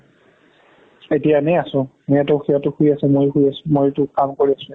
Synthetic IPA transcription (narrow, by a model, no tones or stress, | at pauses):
etijanɛasʊ̃mɛjatɔxijatʊxujasɛmojxujasʊ̃mojtʊkamkoɹiasʊ̃